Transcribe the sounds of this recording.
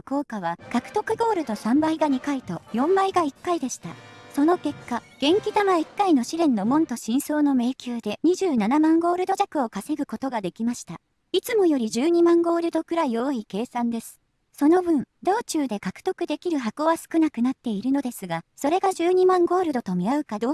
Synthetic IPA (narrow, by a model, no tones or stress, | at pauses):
ko̞ːkaβ̞akakɯ̟̥t̪o̞kɯ̟ɡo̞ːɾɯ̟d̪o̞sãmbaiɡaɲ̟ikait̪o̞jõ̞mbaiɡaikːaid̪e̞ɕi̥t̪aso̞no̞ke̞kːa | ɡ̥ẽ̞ŋkʲit̪amaikːaino̞ɕiɾẽ̞nːo̞mõ̞nt̪o̞ɕĩɰ̃so̞ːno̞me̞ːkʲɨːd̪e̞ɲ̟iʑɨːnanamãŋɡo̞ːɾɯ̟d̪o̞ʑakɯ̟o̞kase̞ɡɯ̟ko̞t̪o̞ɡad̪e̞kʲimaɕi̥t̪a | it͡sɨmo̞jo̞ɾʲiʑɨːɲ̟imãŋɡo̞ːɾɯ̟d̪o̞kɯ̟ɾaio̞ːike̞ːsãnd̪e̞sɨ̥ | so̞no̞bɯ̟̃ɴd̪o̞ːt͡ɕɨːd̪e̞kakɯ̟̥t̪o̞kɯ̟d̪e̞kʲiɾɯ̟ɦakoːβasɨ̥kɯnakɯ̟nat̪ːe̞iɾɯ̟no̞d̪e̞sɨɡaso̞ɾe̞ɡaʑɨːɲ̟imãŋɡo̞ːɾɯ̟d̪o̞t̪o̞mʲiaɯ̟kad̪oː